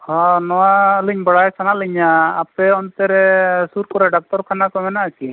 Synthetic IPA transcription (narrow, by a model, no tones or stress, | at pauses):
hɔnɔwaliɲbɔɽajsanaliɲaːpɛɔnt̪ɛɾɛsuɾkɔɾɛɖɔk̚tɔɾkʰanakɔmɛnaʔki